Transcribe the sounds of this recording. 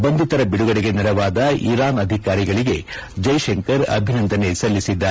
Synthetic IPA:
bɐnd̪ut̪ɐɾɐbiɽuɡɐɽiɡe̞niɾɐʋaːd̪ɐiɾaːnɐd̪ʱikaːɾiɡɐɭiɡe̞ | d͡ʒɐjʃeŋkɐɾɐ̰bʱinɐnd̪ʱɐne̞sɐlːisid̪ːɐ

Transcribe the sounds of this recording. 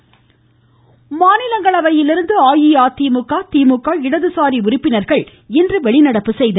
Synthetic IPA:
maːnɪlɐŋɡɐɭɐʋɐjɪlɪɾɯnd̪ɯaːjiaːt̪iːmɯkːaːt̪iːmɯkːaːɪɽɐðɯsaːɾiʊɾɪpːɪnɐɾɣɐɭ | ɛndrɯʋɛɭɪnɐɽɐpːɯsɛjðɐ

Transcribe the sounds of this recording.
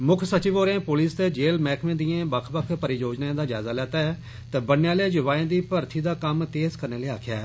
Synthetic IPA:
mʊkʰsət͡ʃɪʋoːɾẽːpoːliːst̪eːd͡ʒeːlmɛːkʰmẽːd̪ijẽːbəkʰbəkʰpəɾijoːd͡ʒnaẽːd̪aːd͡ʒa̰ːzaːlɛːt̪aː | t̪ɛːbənjãːleːd͡ʒʊʋaːẽːd̪iːpəɾt̪ʰiːd̪aːkəmt̪eːzkəɾneːleːa̰ːkʰja̰ː

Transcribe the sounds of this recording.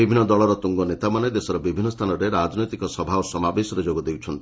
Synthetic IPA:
ibibʱinːɔd̪ɔɭɔɾɔt̪uŋɡɔnet̪amaned̪esɔɾɔbibʱinːɔst̪ʰanɔɾeɾad͡ʒnojt̪ikɔsɔbʱaɔsɔmabesɔɾed͡ʒoɡɔd̪ewt͡ʃʰɔnt̪i

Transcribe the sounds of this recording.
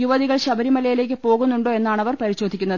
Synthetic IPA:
juʋɐðiɣɐɭɕɐbɐɾimɐlɐjile̞ːk̬ʲːɨpo̞ːɣunːuɳɖoːe̞nːaːɳɐʋɐrpɐɾiɕo̞ːd̪ʱikʲːunːɐð

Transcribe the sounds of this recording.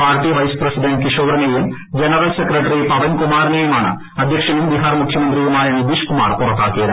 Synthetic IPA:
paːrʈiʋɐjsprɐsiɖɐɳɖ̚kiʂoːɡɾɐnejum | d͡ʑenɐrɐlsekrɐʈːɐɾipɐʋɐnkumaːɾɐnejumaːɳɨ̰ | ɐd̪ʱjɐkʂɐnumd̪iɦaːrmukʰjɐmɐnd̪rijumaːjɐnid̪iʂkuma̰ːrpurɐt̪ːaːkːijɐðɨ

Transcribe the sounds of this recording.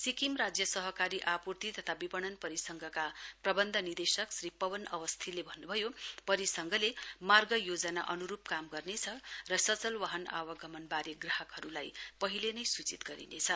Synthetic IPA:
sikimrad͡zjʌsʌɦʌkaɾiʔapurt̪it̪ʌt̪ʰabipʌɽ̃ʌnpʌɾisʌŋɡʱʌkaprʌbʌnd̪ʱʌnird̪esʌksripʌbʌnʌ̰wʌst̪ʰilebʱʌnːubʱʌjopʌɾisʌŋɡʱʌlemarɡʌjod͡zʌnaʔʌnuɾupkamɡʌrnet͡sʰʌrʌsʌt͡sʌlwʌɦʌna̰wʌɡʱʌmʌnbaɾeɡraɦʌkɦʌɾulajpʌɦilenʌjsut͡sit̪ɡʌɾḭnet͡sʰʌ

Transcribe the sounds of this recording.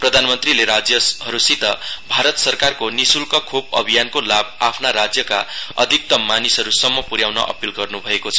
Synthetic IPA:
prʌd̪ʱanmʌnt̪rileɾad͡zjʌɦʌɾusit̪ʌbʱaɾʌt̪sʌrkarkonisulkʌkʰub̚ʌbʱijankolab̚apʰnaɾad͡zjʌka̰ʌ̰d̪ʱik̚t̪ʌmanisʌɾusʌmːʌpuɾjawnʌ̰ʔʌ̰pilɡʌrnubʱʌekot͡sʰʌ

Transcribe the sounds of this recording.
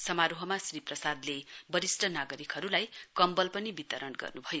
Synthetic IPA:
sʌmaɾuɦʌmasriprʌsad̪lebʌɾisʈʰʌnaɡʌɾikɦʌɾulajkʌmbʌlpʌnibit̪ʌɾʌnɡʌ̰rnubʱʌjo

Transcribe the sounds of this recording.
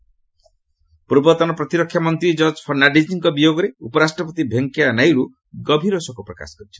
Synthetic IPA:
puɾbɔt̪ɔnɔpɾɔt̪iɾɔkʰːjamɔnt̪ɾid͡ʒɔɾd͡ʒɔpʰɔɾnaɖisiŋkɔbijoɡɔɾeupɔɾasʈɾɔpɔt̪ibʱeŋkjanajɽu | ɡɔbʱiɾosɔkupɾɔka̰sɔ̥kɔɾit͡ʃʰɔ̥

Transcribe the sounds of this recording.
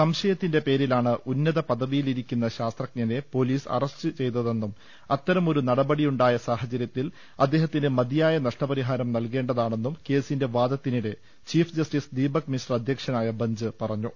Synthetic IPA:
sɐmɕɐjɐt̪ːinde̞pe̞ːɾilaːɳɨʔunːɐðɐpɐðɐʋijiliɾikʲːunːɐɕaːst̪rɐk̚ɲɐne̞po̞ːliːsɐ̰rɐst͡ɕɨt͡ɕe̞jt̪ɐðe̞nːum | ɐt̪ːɐɾɐmo̞ɾunɐɽɐbɐɽijuɳɖaːjɐsaːɦɐt͡ɕɐɾjɐt̪ːil | ɐd̪ːe̞ːɦɐt̪ːinɨmɐd̪ijaːjɐnɐʂʈɐpɐɾiɦaːɾɐmnɐlke̞ːɳɖɐðaːɳe̞nːumke̞ːsinde̞ʋaːd̪ɐt̪ːiniɽe̞ | t͡ɕiːfd͡ʑɐsʈiːsd̪iːbɐkminsrɐd̪ʱjɐkʂɐnaːjɐbɐɲd͡ʑɨpɐrɐɲːu

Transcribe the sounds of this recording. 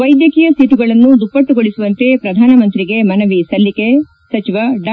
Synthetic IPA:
ɐjd̪jɐkiːjɐsiːʈuɡɐɭɐnːud̪upːɐʈːuɡoɭisuʋɐnt̪e̞pɾɐd̪ʱaːnɐmɐnt̪ɾiɡe̞mɐnɐʋisɐlːike | sɐt͡ʃiʋɐɖ

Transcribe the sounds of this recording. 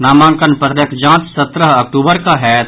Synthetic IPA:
naːmaːnkənpət̪ɾəkd͡ʒãːt̪sət̪ɾəɦɐkʈuːbəɾkaɦɛːt̪

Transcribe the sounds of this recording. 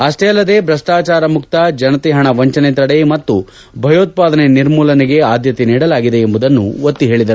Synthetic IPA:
ɐsʈeːɐlːɐd̪e̞ːbɾɐʂʈaːt͡ʃaːɾɐmukt̪ɐd͡ʒɐnɐt̪eɦɐɳɐʋɐɲt͡ʃɐnet̪ɐɽemɐt̪ːu | bʱɐjoːt̪̚paːd̪ɐneniɾmuːlɐneɡe̞aːd̪jɐt̪eniːɽɐlaːɡid̪e̞ːmbud̪ɐnːuʋot̪ːiɦe̞ːɭid̪ɐɾu

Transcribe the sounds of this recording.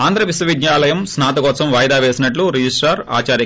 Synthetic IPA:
aːnd̪ɾɐʋiswɐʋid̪jaːlɐjɐmsnaːt̪ɐkɔːsɐmʋaːjɐd̪aːʋeːsinɐʈluɾid͡ʒisʈaɾa̰ːt͡ʃaːɾji

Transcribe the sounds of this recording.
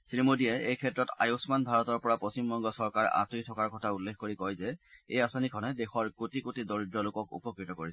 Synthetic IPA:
sɹimodiɛejkʰɛtɹɔta̰josmanbʱaɹɔtɔɹpɔɹapost͡ʃimbɔŋɡɔsɔɹkaɹ̰ʔa̰titʰɔkaɹkɔtʰaulːekkoɹikɔjzɛejasɔnikʰɔnɛdexɔɹkotikotidoɹidɹɔlʊkɔkṵpɔkɹitɔkoɹisɛ

